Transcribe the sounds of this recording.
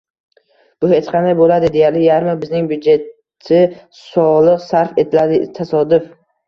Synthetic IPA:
b̥ʊhet͡ʃqʰɑnajbolad̪ɪd̪e̞jaɾlɪjaɾmabɪznɪŋbjʊd͡ʒe̞t̪ʰ | ɪ | sɒlˠɨqsaɾfe̞t̪ʰɪlad̪ɪt̪ʰasɒd̪ʊf

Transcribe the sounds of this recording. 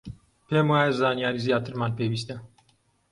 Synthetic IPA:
pemɨaːjɛzaːnijaːɾizijaːt̪ɨɾmaːnpeviːst̪ɛ

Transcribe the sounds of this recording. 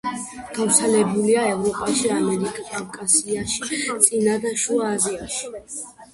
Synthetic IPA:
ɡ̥avɾt̪sʰɛlɛbuliaɛvɾɔpʼaʃiamɛɾikʼakʼavkʼasiaʃit̪sʼinad̪aʃuaːziaʃi̥

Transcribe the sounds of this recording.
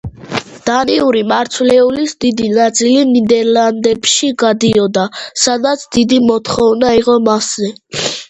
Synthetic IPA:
d̪̥aniuɾimaɾt̪sʰvlɛulisd̪id̪inat̪sʼilinid̪ɛɾland̪ɛpʃiɡad̪iɔd̪asad̪at̪sʰd̪id̪imɔt̪ʰχɔvnaiʁɔmaszɛ

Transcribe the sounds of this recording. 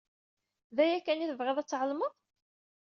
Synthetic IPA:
ðæjækːæniθəvʁəðˤæt͡sːʕəlməðˤ

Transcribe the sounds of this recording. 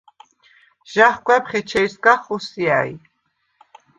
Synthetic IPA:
ʒ̥aχkʷʼwɛpχɛt͡ʃʰɛjskaχɔsiaj

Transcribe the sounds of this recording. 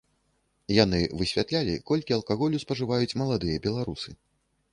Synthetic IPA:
janɨvɨsʲvʲat̪lʲalʲḭkɔlʲkʲiɐlˠkaɣɔlʲuspɐʐɨvajut͡sʲmɐlˠad̪ɨjɐbʲɛlˠaɾusɨ

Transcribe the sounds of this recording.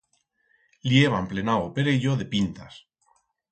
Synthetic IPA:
ljeβ̞ample̞nawope̞ɾeʎoðe̞pint̪as

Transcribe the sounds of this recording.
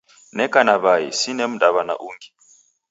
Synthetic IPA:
nɛkʼanaβajḭsinem̩dʼaβana̰ʔuːŋɡi

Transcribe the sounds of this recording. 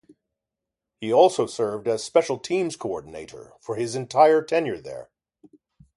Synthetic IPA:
hiɔlˠsoʊsɜ˞vdɨz̥spɛʃl̩ˠtʰĩmz̥kʰoɔɹdⁿn̩ḛɪɾə̰˞fə˞ɪzɨ̃ntʰaɪə˞tʰɛ̃njə˞ðə̰˞

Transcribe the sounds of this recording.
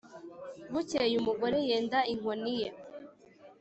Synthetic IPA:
βucejumuɡoɾejeːndaiŋonije

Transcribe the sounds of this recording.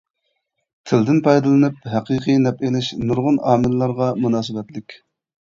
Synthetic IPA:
t̪ʰɪld̪ɪnpʰɑjd̪ɨlˠɨnɨp̚ɦæqʰɨqʰɨjnɛpelɪʃnuɾʁʊnɑːmɪllːˠɑɾʁɑmunɑːsɨbɛt̪lɪkʲ

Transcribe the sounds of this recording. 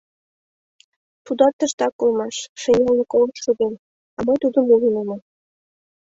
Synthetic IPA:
t̪ud̪ɑt̪ːəʃt̪ɑkːolmɑʃʃenʲelnəkoləʃʃuɣen | ɑmɤjt̪ud̪əmulineme

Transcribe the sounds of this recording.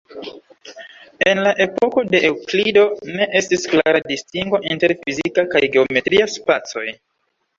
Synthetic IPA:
e̞nlaʔe̞po̞ko̞de̞ʔewklido̞ne̞ʔe̞stisklaɾadistiŋɡo̞ʔinte̞ɾfizikakajɡe̞ome̞tɾiaspat͡so̞̰j

